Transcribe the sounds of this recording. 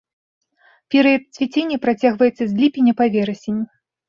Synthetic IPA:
pʲɛɾɨjɐt̪̚t͡sʲvʲit͡sʲenʲːɐpɾat͡sʲaɣvɐjɛt̪sːɐzʲlʲipʲinʲːɐpavʲɛɾɐsʲenʲːi

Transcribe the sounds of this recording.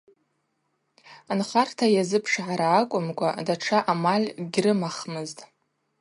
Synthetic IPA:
anχartʰajazɨpʰʂʕaɾaːkʷʼʊmkʷʼa̰daʈ͡ʂʰaʔamalʲɡʲrɨmaχmɨztʼ

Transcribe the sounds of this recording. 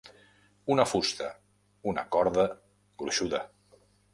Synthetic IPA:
unəfust̪ə | unə̰kɔɾðə | ɡɾuʃuðə

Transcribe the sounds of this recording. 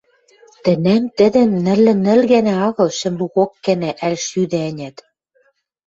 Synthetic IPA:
t̪ɘ̆næmt̪ɘ̆d̪ɘ̆mnɘ̆lːɘ̆nɘ̆lɣænæɑɣɤ̆lʃɘ̆mluɣokːænæʔælʃyd̪æænʲæt̪

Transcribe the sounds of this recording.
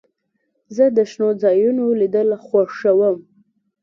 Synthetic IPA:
zəd̪əʃnod͡zɑjunolid̪əlxwaʂawəm

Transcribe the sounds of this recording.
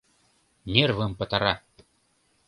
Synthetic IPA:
nʲervɨmpɐt̪aɾa

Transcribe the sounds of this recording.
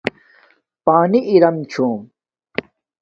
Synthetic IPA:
paːniʔiɾɐmt͡ɕʰoːm

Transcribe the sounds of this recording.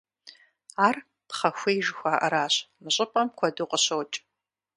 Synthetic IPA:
aːr | pχɐxʷeːjʒxʷaːʔɐɾaːɕmɨɕʼɪpʼɐmkʷʰɐduqʼəɕowt͡ʃʼ

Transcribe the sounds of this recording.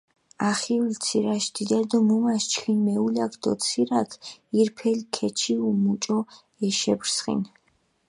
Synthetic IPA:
aχiult̪sʰiɾaʃd̪̥id̪ad̪ɔmumaʃt͡ʃʰχʰinmɛulakʰd̪ɔt̪sʰiɾakʰiɾpʰɛlkʰɛt͡ʃʰiumut͡ʃʼɔ | ɛʃɛbɾsχḭn

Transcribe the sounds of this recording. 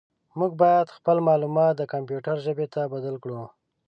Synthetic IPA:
muɡ̚bɑjad̪xpəlmɑlumɑt̪̚d̪əkampjuʈaɾʒəbet̪abad̪alkɽu

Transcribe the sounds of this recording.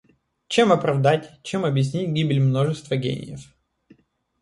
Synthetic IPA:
t͡ɕemɐpɾɐvd̪atʲt͡ɕemɐbjɪs̬ʲnʲitʲɡʲibʲɪlʲmno̞ʐɨst̪vəɡʲḛnʲɪ̰jəf

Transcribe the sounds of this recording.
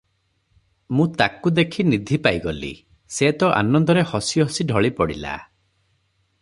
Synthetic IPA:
mũt̪akud̪ekʰinid̪ʱipajɡɔlḭ | seːt̪ɔʔa̰nɔnd̪ɔɾehɔsiɦɔsiɖʱɔɭipɔɽḭla̰

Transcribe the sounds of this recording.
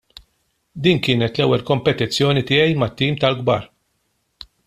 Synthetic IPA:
d̪iːnkɪːnɛt̪lɛwːɛlkɔmpɛt̪ɪt͡sːjɔːnit̪ɪːɛjmɐt̪ːiːmt̪ɐlɡbɐːɾ

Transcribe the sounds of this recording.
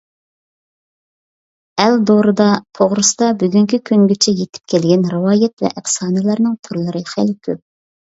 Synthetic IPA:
ɛld̪oɾɨd̪ɑt̪ʰoʁɾɨsd̪ɑbyɡʲyŋkʲikʲʰyŋɡʲet͡ʃʰɛjet̪ʰɪ̥p̚kʲʰɛlɡʲɛnɾɨwɑːjɛt̪vɛ̰ʔɪχsɑːnɨjlˠɑɾnɨŋt̪ʰuɾlˠɨɾɨχælkʲʰøp̚

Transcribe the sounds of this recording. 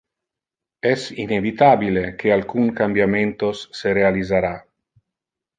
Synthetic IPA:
ɛsinevit̪aːbilekʰealkuŋkambjament̪osːeɾealizaɾa

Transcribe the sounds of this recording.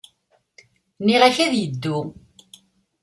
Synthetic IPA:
nːiʁæçæðjəd̪ːu

